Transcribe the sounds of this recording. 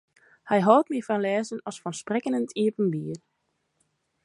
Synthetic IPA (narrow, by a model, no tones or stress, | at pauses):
hɛjɦɔwˠtmiəfanlɛːzənɑsfɔnsprɪkənəntʰiəpənbiːər